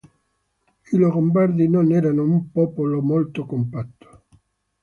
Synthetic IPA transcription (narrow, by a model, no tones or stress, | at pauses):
iloɡombaɾd̪inonɛɾanoumpɔpolomolt̪okompat̪ːo̥